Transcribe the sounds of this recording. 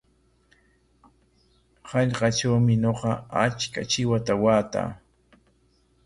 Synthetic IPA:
hɑʎqɑt͡ʃawmɪɲoqɑat͡ʃka̰t͡ʃɪwat̪awaːt̪a̰ː

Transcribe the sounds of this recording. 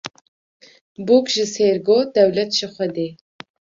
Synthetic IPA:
bukʒɨseɾɡoːd̪ɛwlɛt̪ʒɨxʷɛd̪eː

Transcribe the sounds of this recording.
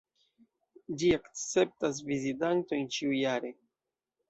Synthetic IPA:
d͡ʒiakt͡se̞p̚tas̬vizitanto̞jnt͡ʃiujaɾe̞

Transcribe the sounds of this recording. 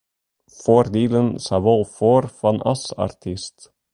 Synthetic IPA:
foɾd̪iːlənsɑvɔlfoːɾfɑnʔɑ̰sɑ̰ɾt̪ʰɪst̪

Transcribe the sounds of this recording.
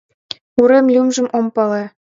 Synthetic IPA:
uɾemlʲumʒɘ̆mʔompɤle

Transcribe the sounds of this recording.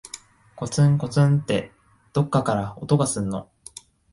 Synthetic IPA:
ko̞t͡sɨ̃ŋko̞t͡sɨ̃nt̪ːe̞ | d̪̥o̞kːakaɾao̞̰t̪o̞ɡasɨ̃nːo̞̰

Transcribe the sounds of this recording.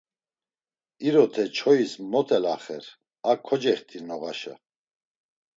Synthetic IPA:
iɾɔt̪ʰɛt͡ʃʰɔismɔt̪ʰɛlaχɛɾ | akʰɔd͡ʒɛχt̪ʰiɾnɔɣaʃə̰

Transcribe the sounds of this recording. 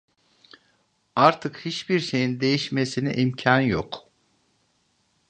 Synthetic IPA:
aɾt̪ʰɯkhit͡ʃbiɾʃe̞jind̪e̞jiʃme̞sinḭʔimcʰanjok

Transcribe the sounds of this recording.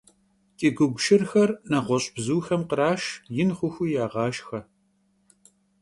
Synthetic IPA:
tʼiɡʷʊɡʷʃɪrxɐrnɐʁʷɔɕʼbzuːxɐmqəɾaːʃjɪnχʷʊxʷʊjaːʁɑːʃxɐ

